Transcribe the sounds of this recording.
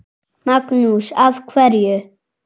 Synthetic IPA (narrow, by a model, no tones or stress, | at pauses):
maknusavkʰvɛɾjø